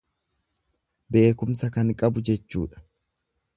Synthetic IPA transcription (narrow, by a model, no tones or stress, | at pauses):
be̞ːkʊmsɐkɐŋkʼɐbʊd͡ʒɛt͡ʃːṵːᶑɐ̥